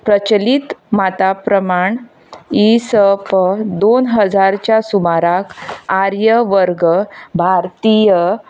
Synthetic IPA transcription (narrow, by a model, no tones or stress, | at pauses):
pɾət͡ɕlit̪mat̪apɾəmaɳ | isəpəd̪onɦəd͡zaɾt͡ɕjasumaɾakaɾjəʋəɾɡəbʱaɾt̪ijə